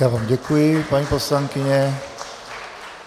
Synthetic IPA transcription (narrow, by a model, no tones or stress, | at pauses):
jaːvaːmɟɛkujɪpaɲiːposlaŋkɪɲɛ